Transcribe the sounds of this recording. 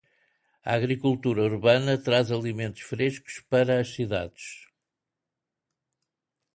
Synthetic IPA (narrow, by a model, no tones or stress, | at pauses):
ɐ̰aɣɾikulˠt̪uɾɐuɾβɐnɐt̪ɾazɐlˠimẽnt̪u̥ʃfɾeʃku̥ʃpɐɾɐɐʃsiða̰ðɨʃ